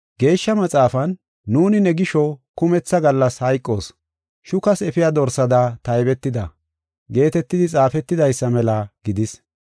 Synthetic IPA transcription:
ɡe̞ːʃːɐmɐt͡sʼaːfɐnː | uːnɪnɛɡɪʃɔkʊmɛt͡sːɐɡɐlːɐshɐjkʼːo̞ːs | ʃʊkɐsɛfɪjad̪ɔɾsɐd̪at̪ɐjbɛt̪ːɪd̪ɐ | ɡe̞ːt̪ɛt̪ːɪd̪ɪt͡sʼaːfɛt̪ːɪd̪ɐjsːɐmɛlɐɡ̥ɪd̪ɪs

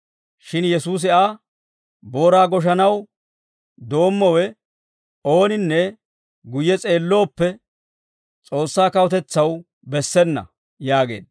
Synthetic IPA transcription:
ʃɪnjɛsuːs̬ɪʔaː | bo̞ːɾaːɡɔʃ̬ɐnɐw | d̪o̞ːmːɔwɛ | o̞ːnɪnːɛ | ɡʊjːɛt͡sʼe̞ːlːo̞ːpːɛ | t͡sʼo̞ːsːaːkɐwɔt̪ɛt͡sːɐw | bɛsːɛnːɐ̰ | jaːɡe̞̰ːd̪

